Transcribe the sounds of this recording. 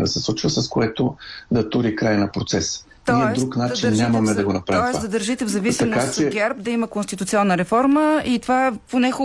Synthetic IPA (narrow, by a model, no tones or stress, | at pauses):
d̪ɐ̰sɛslˠut͡ʃvəsɐskoɛt̪od̪ɐt̪uɾikɾajnɐpɾot̪sɛs | t̪mɔiɛvd̪ɾuknat͡ʃinːamɐmɛd̪ɐɡonɐpɾaɔɛsd̪ɐd̪əɾʒit̪ɛvzɐvisiɐmkoast͡ʃɛɡʲɛɾbd̪ɐiməkonst̪it̪ʊt̪siɔnːəɾɛfɔɾməit̪ovaɛponɛxʊ